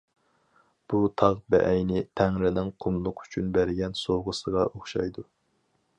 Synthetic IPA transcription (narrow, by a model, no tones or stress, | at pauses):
b̥ut̪ʰɑʁbɛ̰ʔɛjnɪt̪ʰæŋɾɪnɪŋqʰʊmlˠʊqʰy̥t͡ʃʰynbæɾɪɡʲɛnsoʁəsəʁɑʔoχʃɑ̰jd̪u